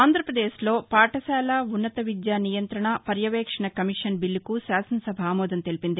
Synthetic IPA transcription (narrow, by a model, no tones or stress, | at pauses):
aːnd̪ʱɾɐpɾɐd̪eːslo̞ːpaːʈɐsaːlaːunːɐt̪ɐʋid̪jaːnijɐnt̪ɾɐɳɐpɐɾjɐʋɛːkʂɐɳɐkɐmiʂɐnbilːikusaːsɐnsɐbʱaːmɔːd̪ɐnt̪e̞lipind̪i